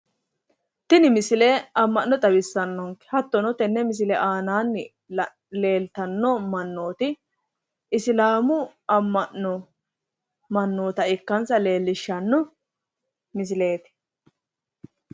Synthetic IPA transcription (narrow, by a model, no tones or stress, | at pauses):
t̪ɪnɪmɪsɪleʔɐmːɐnːɔt̪ʼɐbɪsːɐnːɔŋkɛ̥hɐt̪ːɔnɔt̪ɛnːɛmɪs̬ɪlɛʔaːnaːnːɪ | le̞ːlt̪ɐnːɔmɐnːoːt̪ɪ | ʔɪslaːmʊɐmːɐnːɔ | mɐnːoːt̪ɐɪkːɐnsɐle̞ːlːɪʃːɐnːɔ | mɪs̬ɪleːt̪ɪ̥